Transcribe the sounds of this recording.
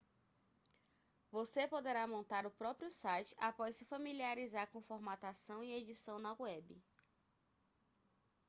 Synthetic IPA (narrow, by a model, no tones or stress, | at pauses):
vosepod̪eɾamõnt̪aɾʊpɾɔpɾijʊsajt͡ʃɪ̥ʔapɔssɪfɐmiliaɾizaɾkõfoɾmat̪asɐ̃w̃ied͡ʒisɐ̃w̃nɐwɛbɪ̰